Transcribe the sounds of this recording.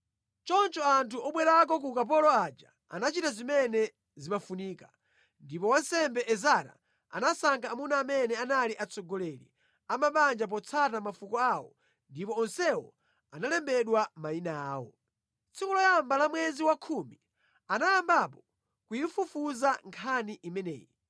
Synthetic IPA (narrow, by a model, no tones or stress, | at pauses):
t͡ʃɔnt͡ʃɔantʰuɔɓwɛɾak̬ɔk̬ukap̬ɔlɔad͡ʒa | a̰nat͡ʃitazimɛnɛ | zimafuniːka | ndipɔwansɛmbɛʔɛzaɾa̰ | a̰nasaŋkaːmunaːmɛnɛanaliʔat͡sɔɡɔlɛlḭ | amaɓand͡ʒap̬ɔt͡sʰatamafukɔawɔ̰ | ndipɔːnsɛwɔ̰ | analɛmbɛɗwamainaːwɔ̰ | t͡sʰikulɔjambalamwɛziwakʰumi | anajambapɔ | kujifufuzaŋkʰaniʔimɛnɛ̰ːji